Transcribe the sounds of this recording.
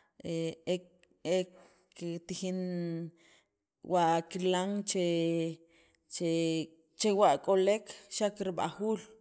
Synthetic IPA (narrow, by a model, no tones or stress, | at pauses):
ʔee | ek | kit̪ixin | waʔkilaŋt͡ʃe | t͡ʃe | t͡ʃewaʔkʼolekʃakɾiɓa̰xuːl